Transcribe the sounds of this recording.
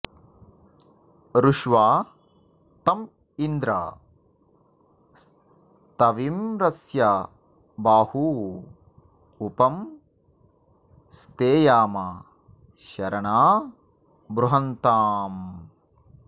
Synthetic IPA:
ɾuʃʋaː | t̪ɐm | ind̪ɾa̰ | t̪ɐʋimɾɐsjɐ | baːhuː | upɐm | st̪eːjaːmɐ | ʃɐɾɐɳaː | bɾuɦɐnt̪aːm

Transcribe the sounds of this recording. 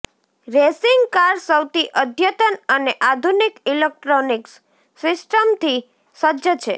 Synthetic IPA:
ɾesiŋɡkaɾsəwt̪iʔəd̪ʱjət̪ənəneʔad̪ʱunikilek̚ʈɾoniks | sɪsʈəmt̪ʰi | səd͡ʒət͡ʃʰḛ

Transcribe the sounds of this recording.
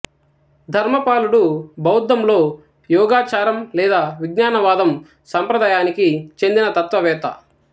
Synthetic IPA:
d̪ʱɐɾmɐpaːluɽubɐwd̪ːɐmlo̞ː | jɔːɡaːt͡ʃaːɾɐmlɛːd̪aːʋiɡɲaːnɐʋaːd̪ɐm | sɐmpɾɐd̪aːjaːnikit͡ʃe̞nd̪inɐt̪ɐt̪ʋɐʋɛːt̪ɐ̰

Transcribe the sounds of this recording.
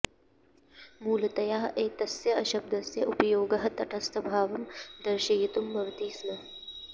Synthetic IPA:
muːlɐt̪ɐjaːɦɐʔeːt̪ɐsjɐɐʃɐb̚d̪ɐsjɐʔupɐjoːɡɐɦɐt̪ɐʈʰɐst̪ʰɐbʱaːʋɐmd̪ɐɾʃɐjit̪umbɐʋɐt̪iːsnɐ

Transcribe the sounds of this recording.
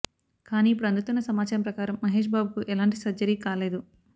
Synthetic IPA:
kaːniːp̬uɽɐnd̪ɐt̪unːɐsɐmaːt͡ʃaːɾɐmpɾɐkaːɾɐmːɐɦe̞ːʃ̬baːbukuʔɛlaːɳʈisɐd͡ʒɐɾiːkaːle̞ːd̪u

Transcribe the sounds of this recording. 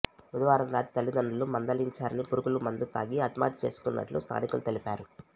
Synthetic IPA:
ud̪ɐʋaːɾɐmɾaːt̪i̥t̪ɐlːid̪ɐnd̪ulumɐnd̪ɐliɲt͡ʃaːɾɐnipuɾukulumɐnd̪ut̪a̰ːɡiɐt̪ma̰ːt̪i̥t͡ʃe̞ːsu̥kunːɐ̰ʈlṵst̪ʰa̰ːnikulut̪e̞lipaːɾu

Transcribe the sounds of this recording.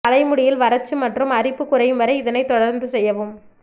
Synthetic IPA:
ɐlɐɪmɯɽɪjɪlʋɐɾɐt͡ʃːɯmɐʈrɯmɐrɪpːɯkːʊrɐɪjɯmʋɐɾɐɪɪðɐnɐɪt̪ɔɽɐɾnd̪ɯsɛjːɐʋɯm

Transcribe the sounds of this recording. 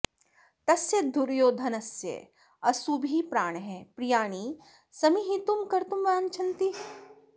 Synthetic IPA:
t̪ɐsjed̪ʱuɾjoːd̪ʱɐnɐsjə̰ | ɐsubʱipɾaːɳ̃ɦɛ̃pɾijaːɽ̃i | sɐmiɦit̪umkɐɾt̪umʋɐɐnt͡ʃʰɐnt̪i

